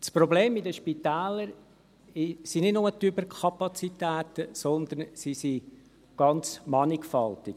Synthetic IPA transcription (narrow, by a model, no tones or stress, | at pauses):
spɾɔbleːmidəʃpit̪æːləɾ | ɪsinɪdnʊmətybəɾkʰɑpɑt͡sit̪ɛːt̪əsɔnd̪ənsisi | ɡ̥ɑnt͡smɑnɪkfɑltɪɡ